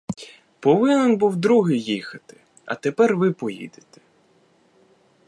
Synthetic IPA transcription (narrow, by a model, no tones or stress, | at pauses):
pɔʋɪnɛnbuwd̪ɾuɦɪjjixɐt̪ɪ̥ | ɐ̰t̪epɛrʋɪpɔjḭd̪et̪ɛ̥